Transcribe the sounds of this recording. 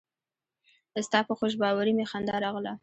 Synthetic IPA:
əst̪ɑpəxoʃ̬bɑwaɾimexand̪ɑɾɑɣla

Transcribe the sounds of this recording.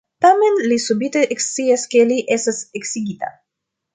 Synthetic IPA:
t̪amenlisubit̪eʔeksieskeliʔesaseksiɡit̪a̰

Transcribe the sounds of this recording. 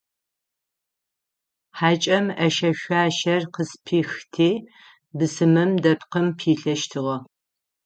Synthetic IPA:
ħaːt͡ʃʼɐmɐʃɐʃʷaːʃɐrqəspʰiːxtʰiː | bɨsɨmɨmdɐpqəmpʰiːɬɐʃtʰɨʁɐ

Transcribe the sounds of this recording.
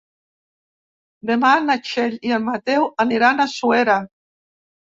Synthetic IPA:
d̪emanat͡ʃeʎiammːat̪ewaniɾanasueɾa

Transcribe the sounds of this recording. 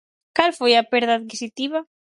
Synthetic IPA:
kalfojɐpɛɾðaðkisit̪iβɐ

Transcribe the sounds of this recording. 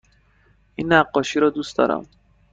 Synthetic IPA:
ʔinːæɢːɒːʃiːɾɒːd̪uːsd̪ɒ̰ːɾæ̰m

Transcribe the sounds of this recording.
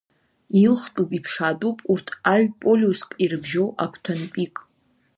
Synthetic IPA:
ilχtʼupʼipʰʂadupʼurtʰaɥᶣpʼolʲuskʼirɨbʒowʔakʷʰtʰanpʼikʼ

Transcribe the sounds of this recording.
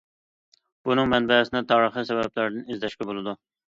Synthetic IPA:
unɨŋmɛnbɛsɪnɛt̪ʰɑːɾəχisɛvɛplæɾd̪ɪnɪzd̪ɛʃkʲɛbolˠɨd̪u

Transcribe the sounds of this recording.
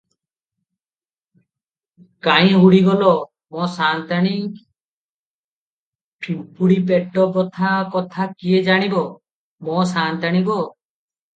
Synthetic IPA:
kaj̃ɦuɽiɡɔlɔ | mɔsant̪aɽ̃i | pʰimpuɽip̬eʈːɔkɔt̪ʰakɔt̪ʰakijed͡ʒaɽ̃ibɔ | mɔsant̪aɽ̃ibɔ

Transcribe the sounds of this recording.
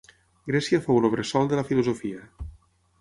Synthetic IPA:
ɡɾɛsiafowloβɾesɔlˠd̪elafiluzofia

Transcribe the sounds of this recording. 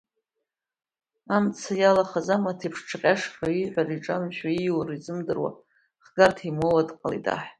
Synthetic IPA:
amt͡sʰajalaχazamatʰipʰʂʈ͡ʂʰaqʲʼaʂχaiħʷariʈ͡ʂʼamʃaiwarizɨmdɨrwa̰ | χɡ̥artʰimowadqʼalḭda̰ħ

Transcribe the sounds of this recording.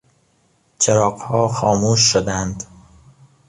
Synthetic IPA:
t͡ʃʰeɾɒːqhɒːxɒːmuːʃːod̪ænd̪̥

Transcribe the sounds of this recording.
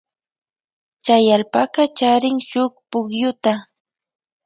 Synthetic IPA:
t͡ʃajalpakɑt͡ʃaɾɪŋʃʊk̚pʊkjʊt̪a

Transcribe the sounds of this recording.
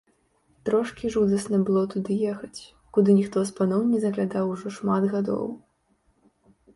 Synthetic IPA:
t̪ɾɔʂkʲiʐud̪ɐsnɐbɨlˠɔt̪ud̪ɨjɛxɐt͡sʲ | kud̪ɨnʲixt̪ɔspanɔwnʲɛzɐɣlʲad̪awuʐɔʂmad̪ɣad̪ɔ̰w

